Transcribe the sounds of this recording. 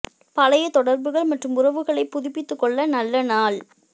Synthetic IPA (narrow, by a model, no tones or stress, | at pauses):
pɐlɐjɐt̪ɔɽɐɾbɯɣɐɭmɐʈrɯmʊrɐʋɯɣɐɭɐɪpːʊðɪpːɪt̪ːɯkːɔɭːɐnɐlːɐnaːl